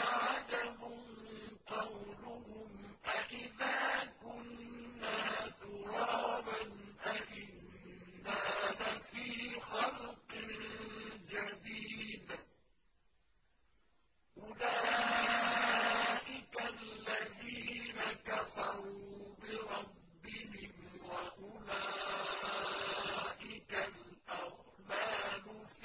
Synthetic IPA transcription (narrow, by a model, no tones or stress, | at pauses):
aʕad͡ʒaɦʊmqɑwlʊɦʊmʔaʔɪðaːkʊnːaːt̪ʊɾˤɑːbanʔaʔɪnː | alafiːxɑlqɪ | d͡ʒad̪iːd̪ | ʔʊlaː | ʔɪkallːaðiːnakafɑɾˤuːbɪɾˤɑbːɪhɪmwaʔʊla | ʔɪkalʔaw | laːnʊf